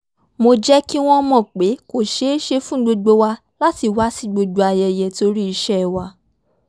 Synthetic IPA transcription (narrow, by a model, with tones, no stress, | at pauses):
mo˧d͡ʒɛ˦ki˦w̃ɔ̃˦mɔ̃˦˨k͡pe˨˦ko˦˨ʃe˨˦ʃe˧fũ˦ɡ͡bo˧ɡ͡bo˧wa˧ | la˦ti˧wa˦si˦˨ɡ͡bo˧ɡ͡bo˧a˧jɛ˧jɛ˧to˧ɾi˦i˧ʃɛ˦˧wa˧˦